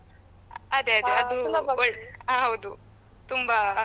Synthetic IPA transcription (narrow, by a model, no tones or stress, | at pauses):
ɐd̪eɐd̪eɐd̪uɔɭaɦɐwd̪u | t̪umba